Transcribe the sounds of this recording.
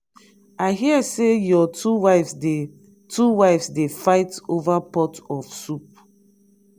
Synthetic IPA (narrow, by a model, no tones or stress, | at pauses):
aɪɦiəsejɔtuwaɪfsde | tʰuwaɪfsdefaɪtovapɔtɔfsup̚